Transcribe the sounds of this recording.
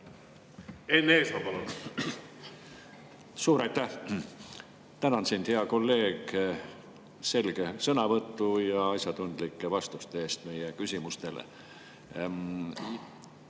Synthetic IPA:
enːeːsɑpɑlun | suːɾɑjt̪ːæh | t̪ænɑnsind̪̥heɑko̞lːe̞ːɡ̥ | se̞lɡ̥e̞sɤnɑvɤt̪ːujɑɑsʲjɑt̪und̪̥likːe̞vɑst̪ust̪eeːst̪me̞jekysʲimust̪e̞lḛ

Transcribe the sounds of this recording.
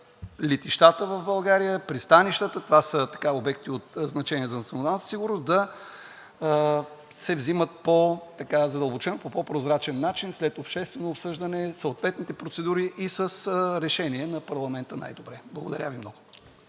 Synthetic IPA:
lit̪iʃt̪at̪əvɐvbɐlˠɡaɾijəpɾist̪aniʃt̪ət̪ət̪ovasət̪ɐ̥kaobɛkt̪iot̪znɐt͡ʃɛniɛzɐnɐsɛnod̪alˠt̪ə̥siɡʊɾnosd̪ɐ | sɛvzimət̪̚pot̪ɐkazɐd̪əlˠbot͡ʃɛnopopopɾozɾat͡ʃɛnːat͡ʃinslɛt̪opʃt̪ɛst̪vɛnoːpsɤʒd̪ənɛsəot̪vɛt̪nit̪ɛpɾot̪sɛd̪uɾiʔisəsɾɛʃɛniɛnɐpɐɾlˠɐmɛnt̪əna̰jd̪obɾɛblˠɐɡod̪ɐɾʲavimnɔɡʊ

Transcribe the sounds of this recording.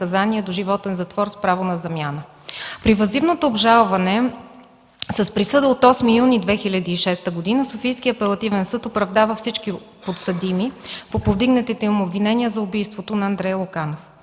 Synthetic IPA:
kɐzaniɛd̪oʒivɔt̪ɛnzɐt̪vɔɾspɾavonɐzɐmʲjanə | pɾivɐzivnot̪oːbʒalˠvɐnɛ | sɐspɾisɤd̪əot̪ɔsmijunid̪vɛxilʲəd̪iːʃɛst̪əɡod̪inəsofijskiɐpɛlˠɐt̪ivɛnsɤt̪opɾɐvd̪avəfsit͡ʃkipot̪sɐd̪imipopovd̪iɡnɛt̪it̪ɛimobvinɛniəzɐʊbijst̪vot̪onɐːnd̪ɾɛjlˠokanof

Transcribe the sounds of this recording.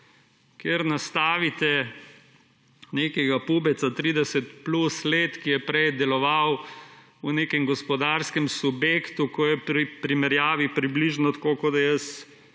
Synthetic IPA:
kjeɾnast̪aːʋit̪ɛ | nekɛɡapubɛt̪sat̪ɾiːd̪ɛsɛt̪plusleːt̪kijɛpɾɛjd̪ɛlɔʋaw | uneːkɛmɡɔspɔd̪aːɾskɛmsubjekt̪ukɔjɛpɾipɾimɛɾjaːʋipɾibliʒnɔt̪ḁkoːkɔd̪ɛjəs

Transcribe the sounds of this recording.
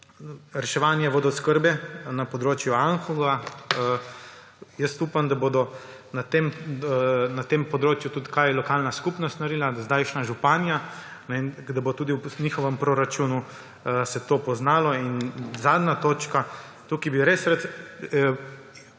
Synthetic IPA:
ɾɛʃɛʋaːnjɛboːd̪ɔskəɾbɛnapɔd̪ɾoːt͡ʃjuanxuɡa | jəst̪uːpamd̪aboːd̪ɔ | nat̪em | nat̪eːmpɔd̪ɾoːt͡ʃjut̪ut̪kaːjɛlɔkaːlnaskupnɔst̪naɾiːlad̪azd̪ajʃnaʒupaːnija | nɛnd̪abot̪uːd̪iwniːxɔʋɛmpɾoɾat͡ʃuːnu | sɛt̪oːpɔznaːlɔinzaːd̪nat̪oːt͡ʃka | t̪ukibiɾesɾɛt̪

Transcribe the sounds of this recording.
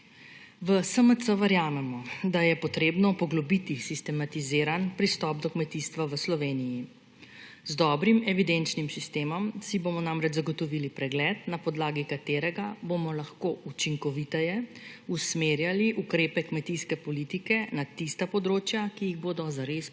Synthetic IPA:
ʋəsəməsəʋɛɾjaːmɛmɔd̪ajɛpɔt̪ɾeːbnɔpɔɡlɔbit̪isist̪ɛmat̪izeːɾanpɾist̪ɔp̚d̪ɔkmɛt̪iːst̪ʋaʋəslɔʋeːniji | zd̪ɔːbɾimɛʋid̪ɛnt͡ʃnimsist̪eːmɔmsiboːmɔnamɾɛt͡ʃzaɡɔt̪ɔʋilipɾɛɡlɛːt̪napɔd̪laːɡikat̪eːɾɛɡabomɔlaxkoːʔut͡ʃiŋkɔʋit̪ɛjɛusmeːɾjaliʔukɾeːpɛkmɛt̪iskɛpɔlit̪ikɛnat̪ist̪apɔd̪ɾoːt͡ʃjakijiɣboːd̪ɔzaɾes

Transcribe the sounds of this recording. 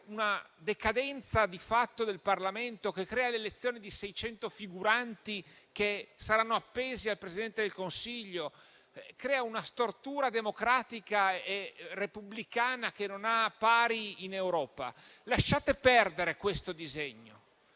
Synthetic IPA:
unad̪ekad̪ɛnt̪sad̪ifat̪ːod̪elparlament̪okekːɾɛːalelet̪sːjoːnid̪isɛjt͡ʃɛnt̪ofiɡuɾant̪i | kesaɾanːoapːeːzialpɾesid̪ɛnt̪ed̪elkonsiʎːo | kɾɛːaunast̪ort̪uːɾad̪emokɾaːt̪ikaerepublikaːnak̟enonapːaːɾiːnewɾɔːpa̰laʃːaːt̪epɛrd̪eɾekwest̪od̪izeɲːo̰

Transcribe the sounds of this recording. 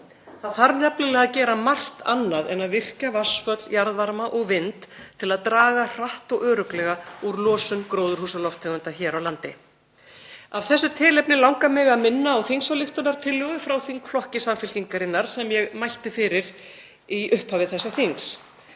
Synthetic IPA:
θaðθaɾnɛplʏlɛːɣaðcɛːɾamar̥t̪anːaðɛnaðvɪr̥cavasfœt̪ljaɾðvaɾmaʔɔɣvɪnt̪t̪ʰːɪlaðt̪ɾaːɣar̥aht̪ɔɣʔœːɾʏklɛɣauɾlɔːsʏmkɾoːwðʏɾ̥huːsalɔft̪ʰœɣʏnt̪açɛːɾawlant̪ɪ̰ | avθɛsːʏt̪ʰɪːlɛpnɪlawŋkamɪɣaðmɪnːaːwθinsawlɪxt̪ʏnaɾ̥t̪ʰɪlːʏɣʏfɾawθiŋkflɔhcɪsamfɪl̥ciŋkaɾɪnːaɾ̥sɛmjɛɣmajl̥t̪ɪfɪɾɪɾ̥ | iʔʏhphaːvɪθɛsːaθins

